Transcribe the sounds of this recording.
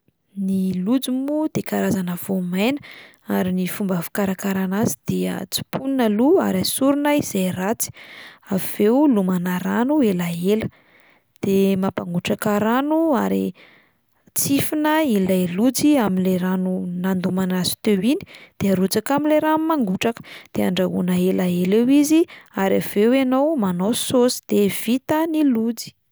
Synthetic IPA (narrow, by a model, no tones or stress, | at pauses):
nilud͡zimud̪̥ekaɾazanəv̥omajnə | aɾinifumbavu̥kaɾakaɾanazid̪̥eə̰t͡si̥punnəlua̰ɾasuɾunəiz̥ajrat͡si̥av̥ewlumanaɾanuelaelə̥ | d̪̥emapaŋɡuʈ͡ʂakaɾanuaɾḭ | t͡sifinəilaelud͡ziamileɾanunand̪umanazi̥t̪ewini̥d̪̥eaɾut͡sakamileɾammaŋɡuʈ͡ʂakə̥d̪̥ea̰ɳɖ͡ʐaɦṵnəelaelewiziaɾav̥ewenowmanososi̥d̪̥ev̥it̪ənilud͡zi̥